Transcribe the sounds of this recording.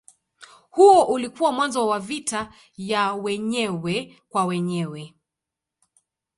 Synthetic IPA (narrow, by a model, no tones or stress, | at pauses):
huɔʔulikuwamwanzɔwavita | jawɛɲɛwɛ | kwawɛɲɛwɛ